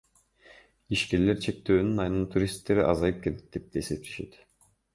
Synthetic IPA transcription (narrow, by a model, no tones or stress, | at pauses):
iʃkʲeɾle̞ɾt͡ʃʰe̞k̚t̪øːnynɑjnɯnt̪ʰuɾʲist̪ːe̞ɾiʔɑzɑjɯp̚kʰelet̪̚d̪e̞p̚d̪eːse̞p̚t̪ʰe̞ʃe̞t̪